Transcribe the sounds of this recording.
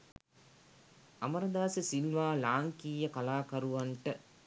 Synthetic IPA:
ɐmɐɾɐd̪aːsəsilʋaːlaːŋkiːjəkɐlaːkɐɾuʋaɳʈə

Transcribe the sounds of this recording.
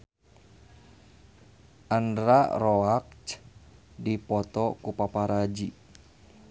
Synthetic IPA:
ʔandɾarɔak̚t͡ʃ | dipɔt̪ɔkupapaɾad͡ʒi

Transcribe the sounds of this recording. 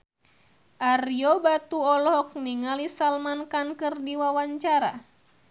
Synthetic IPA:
ʔarjɔbat̪uɔlɔɦɔk̚niŋalisalmankankɨrdiwawaɲt͡ʃaɾa̰

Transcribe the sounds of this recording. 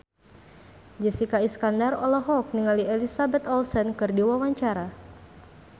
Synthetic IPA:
d͡ʒɛsikaiskandarɔlɔɦɔk̚niŋaliɛlisabɛt̪ɔlsɛnkɨrdiwawaɲt͡ʃaɾa

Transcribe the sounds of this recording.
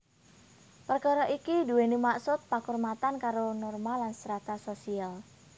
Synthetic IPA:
pərkɔɾɔʔikiduwenimaksʊt̪̚pakɔrmat̪ankaɾonɔrmalːansəɾat̪asosial

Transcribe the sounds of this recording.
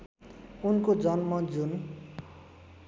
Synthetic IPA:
unkod͡zʌnmʌd͡zun

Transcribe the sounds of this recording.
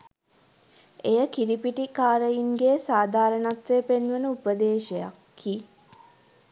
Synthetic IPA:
ejəkiɾipiʈikaːɾəjiŋɡeːsaːd̪ʱaːɾənat̪ʋeːpenʋənəupəd̪eːʃeja̰kʰːi

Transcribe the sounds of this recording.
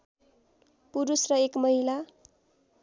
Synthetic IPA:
puɾusrʌekmʌɦila

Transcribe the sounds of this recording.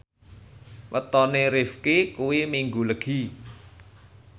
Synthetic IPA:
wə̰t̪ɔneɾɪfkikuwimiŋɡuləɡ̥i

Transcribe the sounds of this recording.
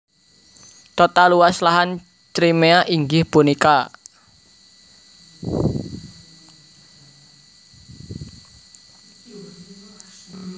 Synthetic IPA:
t̪ɔt̪aluwaslaɦan | t͡ʃɾimeaʔiŋɡɪhpunika

